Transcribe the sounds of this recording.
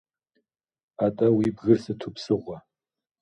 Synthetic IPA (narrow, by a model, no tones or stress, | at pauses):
atʼawibɣɨrsɨtʰupʰsɨʁʷa